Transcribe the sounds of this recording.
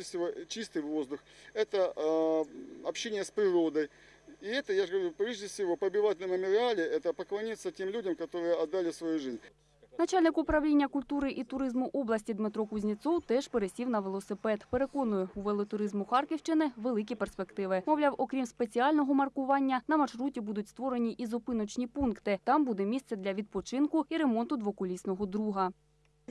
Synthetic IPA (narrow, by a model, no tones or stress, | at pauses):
ɪsʲɪʋot͡ɕist̪ɨjʋozd̪ʊxɛt̪ə | ɐpɕːenʲɪjəspɾʲɪɾo̞d̪əj | iɛt̪əjaʐɡɐʋɐɾʲupɾʲeʐdʲɪfsʲɪʋopɐbʲɪʋat̚ʲnɐmɐmʲʊɾʲɪalʲɪɛt̪əpəklˠɐnʲit̪sːətʲe̞mlʲudʲɐmkɐt̪o̞ɾɨjəɐd̪ːalʲɪsʋɐjuʐɨzʲnʲ | nɐt͡ʃalʲnɪkʊpɾɐwlʲinʲːɐkʊlʲt̪uɾɪʔit̪ʊɾɪzmʊʔɔblˠɐsʲtʲid̪mɪt̪ɾɔkʊzʲnʲit̪sɔwt̪ɛʒ̥peɾesʲiwnɐʋelˠɔsɪpɛt̪peɾe̞kɔnʊjɛuʋelˠɔt̪ʊɾɪzmʊxɑrkʲɪwt͡ʃɪnɪʋe̞lˠɪk̬ʲiperspekt̪ɪʋɪmɔwlʲɑwʔɔkɾʲimspet͡sʲiɑlʲnɔɦɔmɐrkʊʋɑnʲːɐnɐmɐrʃɾutʲibud̪ʊtʲst̪ʋɔɾenʲiʔizɔpɪnɔt͡ʃnʲipunkt̪ɪt̪ɑmbud̪ɛmʲist̪ɛd̪lʲɐʋʲid̪̚pɔt͡ʃɪnkʊiɾe̞mɔnt̪ʊd̪ʋɔkʊlʲisʲnɔɦɔd̪ɾuɦɐ